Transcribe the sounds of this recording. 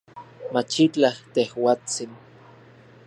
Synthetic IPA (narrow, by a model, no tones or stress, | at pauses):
mat͡ʃit͡ɬaht̪ehwaːt͡sin